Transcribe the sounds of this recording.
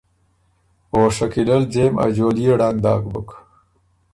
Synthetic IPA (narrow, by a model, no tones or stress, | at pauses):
oːʂɐkilɐld͡ʑema̰d͡ʑoːlijeɽaŋ̚d̪a̰ːɡbuk